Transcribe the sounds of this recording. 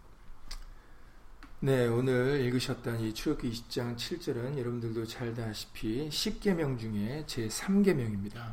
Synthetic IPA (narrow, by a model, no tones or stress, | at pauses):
ne̞onɯɾiɭɡɯɕʰʌt̚t͈ʌɲit͡ɕʰuɾʌkʰiːɕʰi̥p̚t͡ɕ͈aŋt͡ɕʰiɭt͡ɕ͈ʌɾɯnjʌɾʌbndɯɭdot͡ɕaɭdaɕʰi̥pʰiɕʰip̚k͈e̞mjʌŋd͡ʑuŋe̞t͡ɕe̞sʰamɡe̞mjʌŋimɲida